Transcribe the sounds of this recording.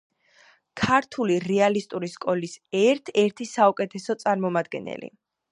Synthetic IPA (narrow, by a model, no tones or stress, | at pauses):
kʰaɾt̪ʰuliɾɛalist̪ʼuɾiskʼɔlisɛɾt̪ʰɛɾt̪ʰisaukʼɛt̪ʰɛsɔt̪sʼaɾmɔmad̪̚ɡɛ̰nɛ̰lḭ